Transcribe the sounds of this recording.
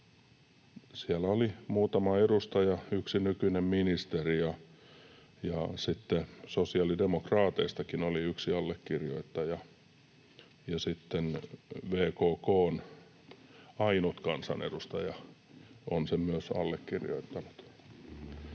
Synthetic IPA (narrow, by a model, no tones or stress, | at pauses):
siælæolimuːt̪ɑmɑedust̪ɑjɑyksinykynemminist̪erijɑ | jɑsit̪ːesosiɑlidemokrɑːt̪eist̪ɑkinoliyksiɑlːekːirjoit̪ːɑjɑ | jɑsit̪ːenʋeːkoːkoːn | ɑinut̪kɑnsɑ̰nḛdust̪ɑjɑ | onsemmyøsɑ̰lːekːirjo̰it̪ːɑnut̪